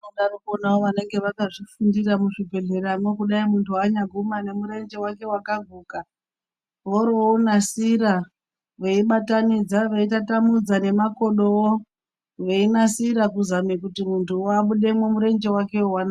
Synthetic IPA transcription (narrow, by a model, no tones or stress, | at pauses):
oɗarokonawoʋane̞ŋɡe̞ʋakaʐifundiramuʐibʱe̞ɮe̞ɾamwe̞kuɗaimuntʰuwaɲaɡʱumane̞muɾe̞nd͡ʒe̞wake̞wakaɡʱuːka | ʋoɾonasiɾa | ʋe̞iɓatanid͡zaʋeitatamud͡zane̞mako̞ɗowo | ʋeinasiɾakuzamikutimuntuwaɓuɗe̞mwemuɾe̞nd͡ʒe̞wake̞owana